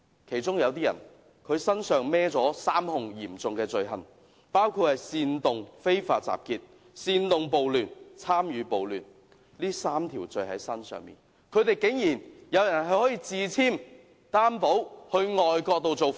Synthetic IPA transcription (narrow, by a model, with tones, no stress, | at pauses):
kʰe˨˩jt͡sʊ˥ŋjɐ˨˧wt̪̬iː˥jɐ̰˨˩n | kʰɵ˨˧ɥsɐ˥nsœː˨˧ŋmɛː˥t͡sɔː˨˥saː˥mhʊ˨ŋjiː˨˩mt͡sʊ˨ŋkɛː˧t͡sɵ˨ɥɦɐ˨˩n | paː˥wkʰuː˧t̚hɐ˨˩jsiː˧nt̪ʊ˨ŋfe˥jfa̰ː˧t̚t͡sa̰ː˨p̚kiː˧t̚ | siː˧nt̪ʊ˨ŋpo˨wlyː˨nt͡sʰaː˥mjyː˨˧po˨wlyː˨n | liː˥saː˥mt̪ʰiː˨˩wt͡sɵ˨˧ɥɦɐ̰˨˥jsɐ˥nsœ̰ː˨ŋmḭː˨˩n | kʰɵ˨˧ɥt̪e˨˩jkɪ˨˥ŋjiː˨˩njɐ˨˧wjɐ˨˩nɦɐ˨˩jhɔː˨˥jiː˧t͡siː˨˧t͡sʰiː˥m | t̪aː˥mpo˨˥whɵ˧ɥŋɔː˨jkɔː˧k̚t̪o˨wt͡so˨w